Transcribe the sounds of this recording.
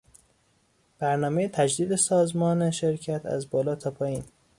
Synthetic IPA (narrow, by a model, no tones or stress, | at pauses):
b̥æɾnɒːmejet̪ʰæd͡ʒd̪iːd̪esɒːzmɒːneʃe̞ɾcʰæt̪ʰæ̰zbɒːlɒːt̪ʰɒːpʰɒːjiːn